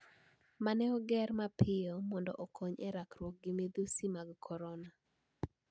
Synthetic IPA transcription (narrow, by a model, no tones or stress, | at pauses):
manɛɔɡɛɾmapʰɪjɔmɔndɔ̰ʔokʰoɲɛɾakɾwɔk̚ɡɪmed̪usimaɡkʰɔɾɔna